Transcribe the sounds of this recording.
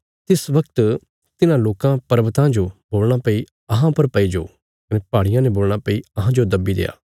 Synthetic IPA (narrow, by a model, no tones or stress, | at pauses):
t̪ɪsʋɐkt̪ | t̪ɪnãloːkãpɐɾʋət̪ãd͡ʒoboːlɽ̃apɐi | ɐɦãpɐɾpɐid͡ʒoː | kɐnepaːɽɪjãneboːlɽ̃apɐiɐɦãd͡ʒod̪ɐbːid̪ḛːa̰ː